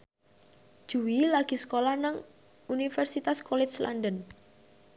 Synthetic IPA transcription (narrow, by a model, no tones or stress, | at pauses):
d̥ʒ̥uwilaɡ̥i̤sə̥kolahnəŋ | unifɛrsit̪askolɪslʔa̰ndən